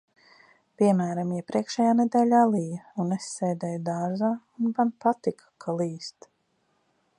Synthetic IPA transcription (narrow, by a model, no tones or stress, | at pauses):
pʲiɛmæːɾamiɛpɾiɛkʃɛjaːnɛd̪ɛːlʲaːlˠijunɛsːɛjd̪ɛjd̪aːɾzaːunbanpat̪ikʰḁkʰalˠiːst̪